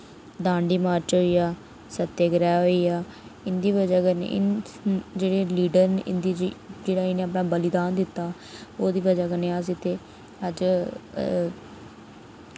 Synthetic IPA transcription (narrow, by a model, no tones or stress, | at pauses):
d̪aːɳɖiːmaːɾt͡ʃɦoiːaː | sət̪ːeːɡɾɛːɦoːiːaːɪnd̪iːβəd͡ʒaːɡənḛɪ | d͡ʒeːɽeːliːɖəɾnʔɪ̰nd̪iːd͡ʒeːɽaːineːəpɽaːbəlɪd̪aːnd̪ɪt̪ːaː | oːd̪iːbəd͡ʒaːkəneːaːs̬iːt̪eː | əd͡ʒ